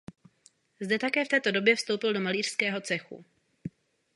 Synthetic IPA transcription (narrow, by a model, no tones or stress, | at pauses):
zdɛt̪akɛːft̪ɛːt̪o̞do̞bjɛfst̪owpɪldo̞maliːr̥skɛːɦo̞t͡sɛxṵ